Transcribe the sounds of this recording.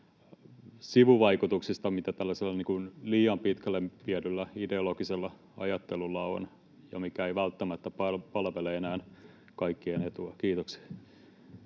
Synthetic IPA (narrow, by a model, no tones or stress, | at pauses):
siʋuʋɑikut̪uksist̪ɑmit̪æt̪ælːæselːɑniːŋkunliːɑmpit̪kælːempiædylːæideolokiselːɑ | ɑ̰jɑt̪ːelulːɑo̰n | jɑ̰mikæeiʋælt̪ːæmæt̪ːæpɑlpɑlʋeleenæːn | kɑikːienet̪uɑkiːt̪oks